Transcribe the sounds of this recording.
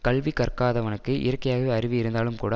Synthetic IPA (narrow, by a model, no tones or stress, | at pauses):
kɐɭʋikɐrkaːðɐʋɐnɯkːɯʔɪ̰ɾɐkːɐjaːɣɐʋeːɐɾɪʋɪɪɾɯnd̪aːlɯmkuːɽɐ